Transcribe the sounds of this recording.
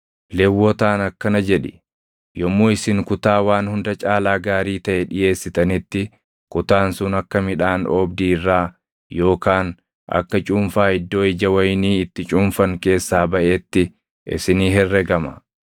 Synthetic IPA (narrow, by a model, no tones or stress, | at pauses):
lɛwːɔt̪aːnɐkːɐnɐd͡ʒɛᶑɪ̥ | jɔmːoːɪsɪŋkʊt̪aːwaːnhʊnd̪ɐt͡ʃʼaːlaːɡaːɾiːt̪ɐʔɛᶑɪje̞ːsːɪt̪ɐnɪt̪ːɪ | kʊt̪aːnsʊnɐkːɐmɪᶑaːnɔbd̪iːrːaː | jo̞ːkaːn | ʔɐ̰kːɐt͡ʃʼʊːmfaːɪd̪ːo̞ːɪd͡ʒɐwɐjniːɪt̪ːɪt͡ʃʼʊːmfɐŋke̞ːsːaːbɐʔeːt̪ːɪ | ʔɪ̰sɪniːɦɛrːɛɡɐmɐ̰